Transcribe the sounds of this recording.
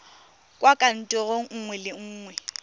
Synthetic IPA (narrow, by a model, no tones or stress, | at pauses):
kʼwakʼan̩tʼɔɣoŋ̩ŋ̩ŋwɛlɪŋ̩ːŋwɛ